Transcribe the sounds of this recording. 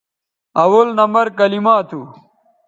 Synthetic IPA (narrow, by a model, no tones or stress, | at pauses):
ɐwɐlnɐmɐɾkɐlimaːt̪ʰu